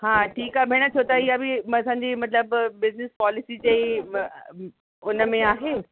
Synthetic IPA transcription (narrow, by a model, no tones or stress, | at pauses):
haːʈʰiːkaːbʱɪɽ̃ə̆t͡ɕʰot̪aɪjabɪɐsãːɲd͡ʑiːmɐt̪ləbbɪznɪspɔːlɪsit͡ɕei | ʊnə̆mẽaːɦeː